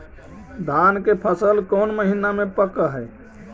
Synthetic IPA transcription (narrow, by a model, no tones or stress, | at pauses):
d̪ʱankepʰəsəlkoːnməɦinamẽpəkəɦɛ